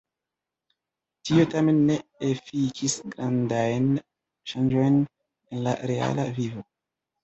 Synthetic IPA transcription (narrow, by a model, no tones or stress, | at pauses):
tio̞tame̞nːe̞efikʰisɡɾandajn | ʃand͡ʒo̞jn | enla̰ɾe̞a̰lavivo̞